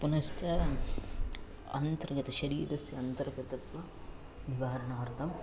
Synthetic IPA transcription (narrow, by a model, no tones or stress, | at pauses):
punɐstɐ | ɐ̰nt̪ɐɾɐɡɐt̪ɐʃɐɾiːɾɐsjiɐnt̪ɐɾɐɡɐt̪ɐt̪ʋɐ | niʋaːɾɐnaːɾt̪ɐm